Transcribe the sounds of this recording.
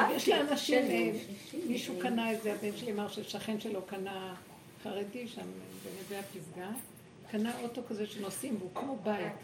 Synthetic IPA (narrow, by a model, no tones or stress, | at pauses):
vjeʃlianaʃim | miʃukanaezeabenʃelimaʁʃeʃaχe̞mʃelo̞kana | χaʁediʃambeniveapisɡa | kanao̞to̞kazeʃenosimveukmo̞bait